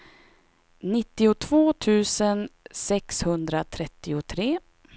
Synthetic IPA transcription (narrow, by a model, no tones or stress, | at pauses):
nɪt̪ːɪʊt̪ʰvoːt̪ʰʉ̟ːsənsɛkshɵnd̪ɾat̪ʰɾɛt̪ːɪʊt̪ʰɾeː